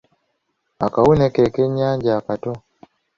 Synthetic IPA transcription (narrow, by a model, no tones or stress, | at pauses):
akaunɛkɛkɛɲaɲɟaːkatɔ